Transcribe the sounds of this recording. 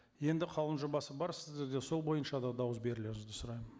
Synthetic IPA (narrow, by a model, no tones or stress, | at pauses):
je̞nd̪ɪqʰɑlˠənʒobɑsəbɑɾsɪzd̪e̞ɾd̪eso̞lˠbo̞jənʃɑd̪ɑd̪ɑwəs̬be̞ɾɪle̞ɾɪŋɪzd̪ɪsʊɾɑjənn